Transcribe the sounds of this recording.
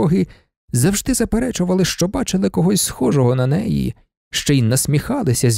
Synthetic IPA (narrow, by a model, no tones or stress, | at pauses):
ɔɦɪ | zɐwʒd̪ɪzɐpeɾɛt͡ʃʊʋɐlˠɪʃt͡ʃɔbɑt͡ʃɪlˠɪkɔɦɔsʲsxɔʒɔɦɔnɐnɛjḭ | ʃt͡ʃɔjinːɐsʲmʲixɑlˠɪsʲɐzʲ